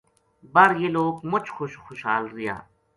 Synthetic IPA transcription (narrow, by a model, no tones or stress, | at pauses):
bɐɾjeloːɡmʊt͡ʃxʊʃxʊʃɦaːlɾɪja̰ː